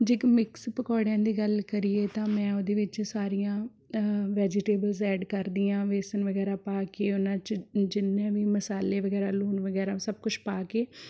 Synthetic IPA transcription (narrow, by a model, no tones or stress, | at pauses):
d͡ʒɪkmɪkspəkɔːɽjãːd̪iːɡəlkəɾieːt̪ãːmɛ̃ːod̪eːʋɪt͡ʃsaːɾijãː | ʋɛːd͡ʒɪʈeːbəlzɛːɖkəɾd̪ijãːʋeːsənʋəɡɛːɾaːpaːkeːʊnãːt͡ʃd͡ʒɪnːẽːʋiːməsaːleːʋəɡɛːɾaːluːnʋəɡɛːɾaːsəb̚kʊt͡ʃʰpaːkeː